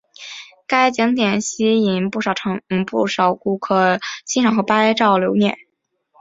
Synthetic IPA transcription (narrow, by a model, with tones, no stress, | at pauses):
ka˥ɪt͡ɕji˧˥ŋt̪jɛ˨˩nɕi˥i˧˩npu˥˩ʂɑ˨˩ʊʈ͡ʂʰɤ˧˥˧ŋpu˥˩ʂɑ˨˩ʊku˥˩kʰɤ˥˩t͡ɕʰi˥nʈ͡ʂʰɑ˨˩xɤ˧˥pa˥ɪʈ͡ʂɑ˥˩ʊljo˧˥ʊnjɛ˥˩n